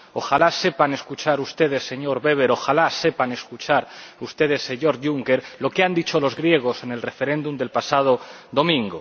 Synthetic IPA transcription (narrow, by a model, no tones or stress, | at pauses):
o̞xalase̞pane̞skut͡ʃaɾust̪e̞ð̞e̞sːe̞ɲo̞ɾβe̞β̞e̞ɾo̞xalase̞pane̞skut͡ʃaɾust̪e̞ð̞e̞sːe̞ɲo̞ɾʝuŋkeɾlo̞keand̪it͡ʃo̞lo̞zɣɾje̞ɣ̞o̞se̞ne̞lre̞fe̞ɾe̞nd̪umd̪e̞lpasað̞o̞ðo̞mĩŋɡo